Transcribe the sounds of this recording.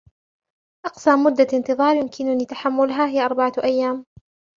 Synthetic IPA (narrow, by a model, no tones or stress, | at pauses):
ʔɑqsaːmmːʊd̪ːaʔɪnt̪ɨðˤɑːɾˤjʊmkʰɪnʊniːt̪aħamːʊlɦaːɦɪjaʔɑɾˤbaʕaʔajːaːm